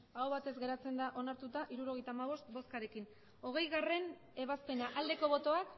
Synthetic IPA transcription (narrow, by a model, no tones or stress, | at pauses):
awβat̪e̞zɡe̞ɾat͡se̞nd̪aʔo̞naɾt̪ut̪aʔiɾuɾo̞ɣe̞jt̪aːmaβ̞o̞st̪bo̞skaɾe̞kin | o̞ɣ̞e̞jɣare̞n | e̞β̞aspe̞naʔald̪e̞ko̞βo̞t̪o̞ak